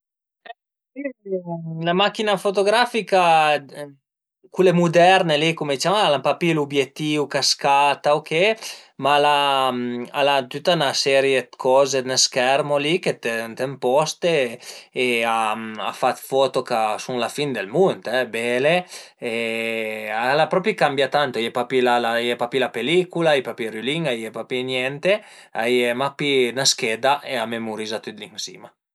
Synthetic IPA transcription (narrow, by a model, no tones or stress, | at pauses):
ɛ | i | lamak̟ːinafot̪oɡɾafika | kulemud̪ɛɾnelikomed̪it͡ʃamalampapilubjet̪ːiːukaskaːt̪aokʰemalamalat̪ut̪ːanasɛːɾjekʰɔːzenelskɛrmoliket̪et̪empɔst̪eeaa̰fat̪fɔt̪okasuŋlafind̪elmunt̪ɛbɛːle | e | alapɾɔpikambjat̪ant̪oajɛpapilalajɛpapilapelikulaijpapiɾyliŋajepapinjɛnt̪eajemapinaskɛd̪aʔeamemuɾizat̪yt̪liŋsḭːma